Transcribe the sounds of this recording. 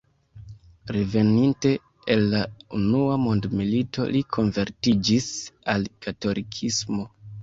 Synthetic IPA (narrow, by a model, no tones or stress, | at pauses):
ɾe̞ve̞ninte̞ː | lːaunuamo̞ndmilitʰo̞̰likʰo̞nve̞ɾtid͡ʒisalkato̞lʔikʰismo